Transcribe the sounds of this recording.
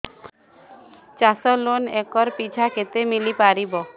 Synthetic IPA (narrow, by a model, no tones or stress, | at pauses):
t͡ɕasɔlonɛkɔɾpit͡ɕʰakʰet̪emilipaɾibɔ